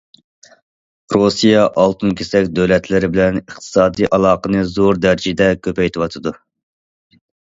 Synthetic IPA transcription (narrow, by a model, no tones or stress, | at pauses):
ɾosijɑʔɑlˠt̪ʰunkʲʰesɛkʲd̪øwlɛt̪ʰlɪɾɪbɪlɛnəχt̪ʰɨ̥sɑːd̪ijʔɑlˠɑːqənɨzoɾd̪æɾd͡ʒid̪ɛkʲʰøpɛjt̪ʰɨwɑt̪ʰɨd̪u